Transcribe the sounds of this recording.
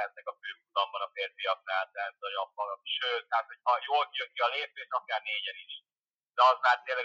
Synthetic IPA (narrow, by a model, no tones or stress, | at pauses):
ɛt̪nɛkɒføːkut̪ɒmbɒnɒfeːrfijɒk̚naːlt̪ɛːt̪zɒjɒpːɒlʃøːt̪ːɛːt̪ho̞chɒjoːlkijøŋkiɒleːpeːʃɒkaːrneːɟɛniʃ | d̪̥ɛɒzmaːrt̪ːeːlːɛɡ